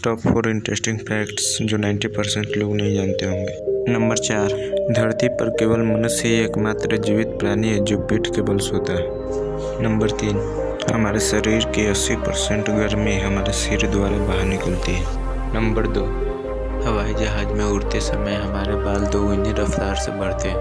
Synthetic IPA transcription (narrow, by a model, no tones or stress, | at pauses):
sʈɔːpfʰoːɾɪ̃ɳʈɾeːsʈɪ̃ŋɡpʰɛːkʈsd͡ʒoːnãːɪɳʈipəɾsẽɳʈloːɡnɐɦĩd͡ʒaːnt̪eɦõːŋɡeːnɐ̃mbəɾt͡ʃaːɾd̪ʱɐɾt̪ipəɾkeːʋəlmənəsɦieːkmaːt̪ɾəd͡ʒɪʋɪt̪̚pɾaːniɦed͡ʒoːbiʈʰkeːbəlsoːt̪aɦɛ | nə̃mbəɾt̪iːn | hɐmaːɾesəɾiːɾkiɐsːipəɾsẽɳʈɡʱəɾmẽɦɐmaːɾesiːɾd̪waːɾabaːɦəɾnɪkəlt̪iɦɛː | nə̃mbəɾd̪oː | hɐʋaːid͡ʒɐɦaːd͡ʒmẽʊɾt̪esəməjɦɐmaːɾebaːld̪oːʊniɾɐft̪aːɾsḛbɐɽ̤t̪eɦɛ